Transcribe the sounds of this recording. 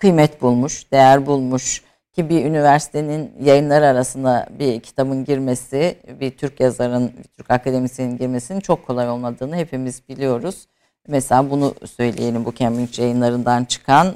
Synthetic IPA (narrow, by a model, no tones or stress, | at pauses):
kʰɯjmɛt̪bulˠmuʃd̪̥e̞jæɾbulˠmuʃ | cʰibiynivæɾsi̥t̪ʰe̞ninjajɯnlˠaɾɯaɾasɯnd̪abicʰi̥t̪ʰabɯnɟiɾme̞sibit̪ʰyɾcjazaɾɯnvɛt̪ʰyɾcakʰad̪e̞misininɟiɾme̞sinint͡ʃʰo̞kʰːo̞lˠajo̞lˠmad̪ɯːnɯɦe̞pʰimizbilʲijo̞ɾuz̥ | ɛmɛselʲaːbunusø̞jlʲeje̞lʲimbucʰɛmbint͡ʃjajɯnlˠaɾɯnd̪ant͡ʃʰɯ̥kʰan